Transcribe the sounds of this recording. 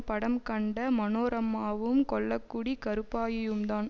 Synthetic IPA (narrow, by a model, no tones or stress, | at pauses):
pɐɽɐmkɐɳɖɐmɐnoːɾɐmːaːʋɯmkɔɭːɐkːuɽikɐɾɯpːaːjɐjɯmd̪aːn